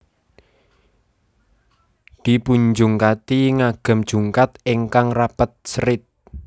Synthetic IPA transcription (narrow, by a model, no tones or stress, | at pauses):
d̪̥i̤puɲd͡ʒuŋkat̪iŋaɡ̥ə̤md̥ʒ̥ṳŋkat̪̚iŋkaŋrapət̪̚sɾɪt̪̚